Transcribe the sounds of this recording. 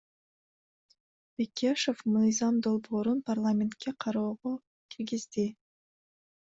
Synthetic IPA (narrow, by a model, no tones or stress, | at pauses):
b̥ekʲːeʃofmɯjzɑmd̪o̞lˠbo̞ːɾunpʰarlˠamʲent̪kʲeqʰɑɾoːʁo | kʲʰiɾɡizd̪i